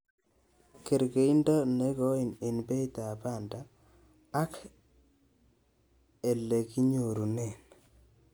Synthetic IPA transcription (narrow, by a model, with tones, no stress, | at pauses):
ke˨ɾɡe˨i˦ndɔ˦ne˦ɣɔ˦i˨nɪ˨nbɛ˦i˦ta˨pa˦˨ndaː˨˦ | k | e˨le˨ki˦ɲo˨ɾu˨ne˦˨n